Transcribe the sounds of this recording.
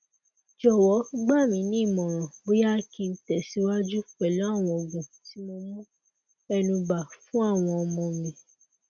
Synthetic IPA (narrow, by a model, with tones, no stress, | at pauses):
d͡ʒɔ˦˨wɔ˨˦ɡ͡ba˦˨mĩ˨˧˦nĩ˦˨mɔ̃˨ɾ̃ɔ̃˨bo˦ja˦kĩ˧n̩˨˦tɛ˨si˨˦wa˦d͡ʒu˦k͡pɛ˨lɔ˨˦a˦˨w̃ɔ̃˧o˨ɡũ˨ | ti˨˦mo˧mũ˦ | ɛ˧nũ˧ba˨fũ˨˦a˦˨w̃ɔ̃˧ɔ˧mɔ̃˧mĩ˧